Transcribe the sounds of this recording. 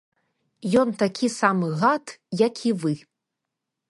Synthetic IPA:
jɔnt̪akʲisamɨɣat̪jakʲʰivɨ

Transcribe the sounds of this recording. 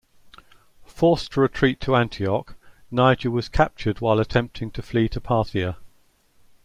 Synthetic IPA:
fɔˑstʰəɹɪtʰɹ̥iˑtʰəãntʰiɒk | naɪd͡ʒəwɒz̥kʰap̚t͡ʃədwaɪlətʰɛ̃mp̚tʰɪ̃ŋtʰəfliːtʰəpʰɑˑθiə

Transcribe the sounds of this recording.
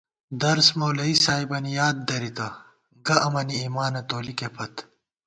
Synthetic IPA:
d̪ɐɾsmoːlɐisaːibɐnijaːd̪̚ːɐɾit̪ɐ | ɡɐʔɐmɐniiːmaːnɐt̪oːlikepʰɐt̪

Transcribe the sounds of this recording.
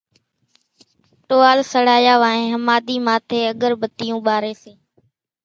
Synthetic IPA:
ʈoːaːlsəɽaːjaːʋaːẽːɦəmaːd̪iːmaːt̪ʰeːəɠəɾbət̪ɪjũːɓaːɾeːseː

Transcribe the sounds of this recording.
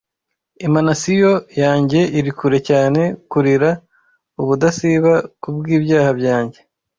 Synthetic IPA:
imanasijojaːɲɟe̞ʔiɾikuɾe̞caːne̞kuɾiɾa | uβudasiβakubɡiːbjaːhabjaːɲɟe̞

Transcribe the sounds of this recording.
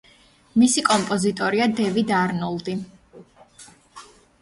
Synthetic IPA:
misikʼɔmpʼɔzit̪ʼɔɾiad̪ɛvid̪aɾnɔlˠd̪i

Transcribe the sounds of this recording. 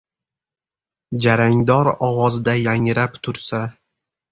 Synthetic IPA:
d͡ʒaɾaŋd̪ɒɾɒwɒzd̪ajaŋɾapt̪ʰʊɾsa

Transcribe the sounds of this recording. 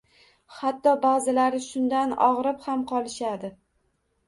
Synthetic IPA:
hat̪ːɒbazɪlaɾɪʃʊnd̪anɒ̰ʁɾɪphamqʰɒlˠɪʃad̪ɪ

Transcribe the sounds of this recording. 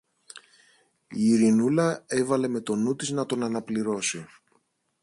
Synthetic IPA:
iːɾinulɐe̞vɐle̞me̞t̪o̞nut̪iznɐt̪o̞nɐnɐpliɾo̞si

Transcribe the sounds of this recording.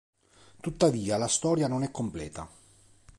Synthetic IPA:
t̪ut̪ːaviːalast̪ɔːɾjanonɛkːomplɛ̰ːt̪a̰

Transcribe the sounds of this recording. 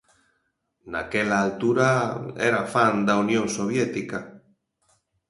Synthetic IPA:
nakɛlaːlt̪uɾaɛ̰ɾafand̪aunjõŋsoβ̞jɛt̪ika

